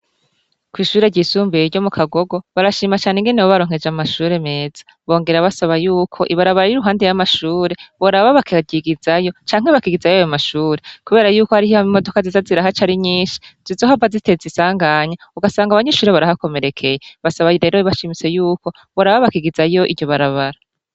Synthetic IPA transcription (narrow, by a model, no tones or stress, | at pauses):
kwiːʃuːɾe̞ɟisuːmbeɾɟo̞mukʰaɡo̞ɡo̞βaɾaʃiːmat͡ʃaːneŋɡe̞ne̞woβaɾo̞ːŋhe̞d͡ʒamaʃuːɾe̞me̞ːz̥ḁ | βo̞ːŋɡe̞ɾaβasaβajuːkʰo̞̰ʔiβaɾaβaɾaiɾuɦaːndejamaʃuːɾe̞βoɾaβaβakiɟiɡizajo̞t͡ʃaːŋhe̞βakiɡizajoajamaʃuːɾe̞kuβe̞ːɾajuːko̞haɾihihaimo̞do̞kazizaziɾaɦat͡ʃaɾiɲiːʃi̥z̥izo̞ɦavazite̞zisaːŋɡaɲauɡasaːŋɡaβaɲe̞ʃuːɾe̞βaɾahako̞me̞ɾe̞kʰe̞jeβasaβaɾe̞ːɾoβaʃimit͡se̞juːko | βoɾaβaβakiɡizajo̞ʔḭɟo̞βaɾaβaɾa